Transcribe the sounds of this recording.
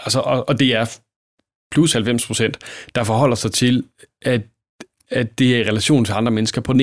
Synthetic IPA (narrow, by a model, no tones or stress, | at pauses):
ælsəʔɒ̽ʔɒ̽d̥e̝æɐ | pʰlushælfem̰spʰʁo̝sen̰d̥ɑ̈fɒɦɒ̽l̰ɐsɑ̈ɪt͡sʰe̝lʔæ̥ | æd̥e̝æɐiʁɛlæɕo̝̰ːn̩t͡sʰe̝ɑ̈nd̥ʁɐmenəsɡ̥ɐpʰɒ̽n